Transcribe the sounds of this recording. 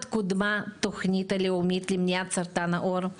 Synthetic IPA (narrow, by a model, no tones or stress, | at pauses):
t̪kud̪mat̪oxnʲit̪ɛlʲiomʲit̪lʲimnʲjat̪sɐɾt̪anɐʔoɾ